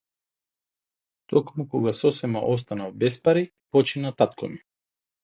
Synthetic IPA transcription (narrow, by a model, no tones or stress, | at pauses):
t̪ɔkmukɔɡasɔsɛma̰ʔɔs̬t̪anavbɛspaɾi | pɔt͡ʃinat̪at̪kʰɔmi